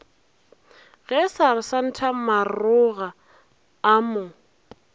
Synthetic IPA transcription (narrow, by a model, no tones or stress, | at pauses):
ɣɛsaɾɪsan̩tʰamarʊɣaː | mʊ